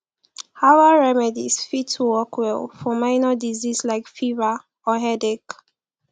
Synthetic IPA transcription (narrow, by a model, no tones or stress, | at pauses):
hawaɹɛmɛdḭsfid̚tʰuwɔkwɛlˠfɔmãɪnədizislaɪkfiva | ɔɦɛdɛk